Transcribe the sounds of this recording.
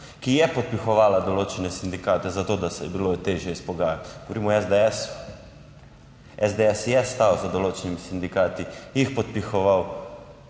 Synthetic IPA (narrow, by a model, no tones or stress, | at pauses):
kijɛpɔt̪̚pixɔʋaːlad̪ɔloːt͡ʃɛnɛsind̪ikaːt̪ɛzat̪oːd̪asɛ̰biloːt̪eʒjɛispɔɡaːjat̪ɡɔʋoɾiːmɔɛzd̪ɛsu | ɛzd̪eɛsjɛst̪awzad̪ɔloːt͡ʃɛnimisind̪ikaːt̪ijixpɔt̪̚pixɔʋaw